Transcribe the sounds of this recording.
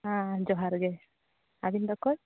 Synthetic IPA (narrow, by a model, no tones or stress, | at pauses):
ãd͡ʒɔɦaɾɡe | abind̪ɔkːɔɾ